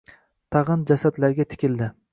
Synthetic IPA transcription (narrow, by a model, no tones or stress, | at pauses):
t̪ʰɑʁɨnd͡ʒasad̪laɾɡʲat̪ʰɪ̥kʲɪld̪ɪ